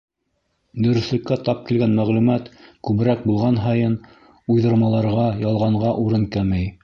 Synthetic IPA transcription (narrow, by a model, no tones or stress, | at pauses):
d̪ɵ̆ɾɵ̆θlɘ̆kːæt̪ɑp̚kilɡænmæʁlʉmæt̪kʉβɘ̆ɾæk̚bulˠʁɑnɦɑjɤn | ujðɤ̆ɾmɑlˠɑɾʁɑjɑlˠʁɑɴʁɑʔuɾɤnkæmæj